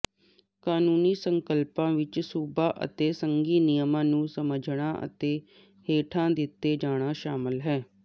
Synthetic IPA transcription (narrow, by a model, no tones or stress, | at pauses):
kaːnuːniːsəŋkəlpãːʋɪt͡ʃsuːbaːʔə̰t̪eːsəŋɡiːnɪjəmãːnũːsəməd͡ʒɽ̃ãːʔə̰t̪eː | heːʈʰãːd̪ɪt̪ːeːd͡ʒaːɽ̃aːʃaːmɪlɦɛː